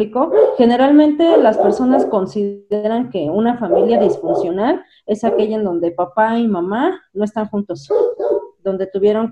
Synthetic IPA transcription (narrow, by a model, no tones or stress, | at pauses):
liko̞xe̞ne̞ɾalmẽ̞nt̪e̞laspe̞ɾso̞nasko̞nsiðeɾaŋke̞unafamiljaðisfunsjo̞nal | e̞sake̞ʝaend̪o̞nd̪e̞papaimãmanoe̞st̪aŋxũnt̪o̞s | d̪o̞nd̪e̞t̪uβje̞ɾo̞ŋ